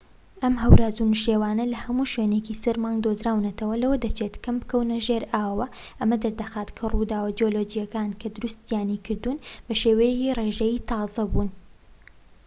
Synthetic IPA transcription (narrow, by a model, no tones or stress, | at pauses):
ʔɐmɦɐwɾaːzunuʃewaːnɐlɐhɐmuːʃwenecisɐɾmaːŋɡd̪ozɾaːwnɐt̪ʰɐwɐlɐwɐd̪ɐt͡ʃʰet̪kʰɐmbɨkɐwnɐʒeɾaːwwɐ | ʔɐmɐd̪ɐɾd̪ɐxaːt̪kʰɐrud̪aːwɐd͡ʒiolod͡ʒijɐkaːnkʰɐd̪ʊɾust̪ijaːnikʰɨɾd̪uːnbɐʃeːwɐjekireːʒɐjit̪ʰɑːzɐbuːn